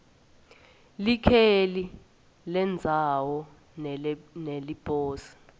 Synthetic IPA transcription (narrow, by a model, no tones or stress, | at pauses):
likʰeli | lɛnd͡zʱawɔ | nelib̥ʼoːsi̥